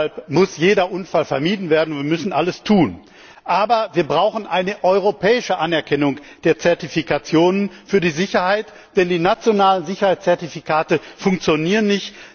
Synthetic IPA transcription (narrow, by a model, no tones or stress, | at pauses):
alpmʊsjeːdɐʔʊnfalfɛɐmiːdn̩veːɐdn̩ʊnviːɐmʏsn̩ʔaləstʰuːn | ʔaːbɐviːɐbʁaʊxn̩ʔaɪnəʔɔʏʁopʰɛːɪʃəʔanɛɐkʰɛnʊŋd̥eːɐt͡sɛɐtifikat͡sjoːnənfyːɐdiːzɪçɐhaɪt | d̥ɛndiːnat͡sjonaːlənzɪçɐhaɪt͡st͡sɛɐtifikʰaːtəfʊŋk̚t͡sjoniːʁənːɪçt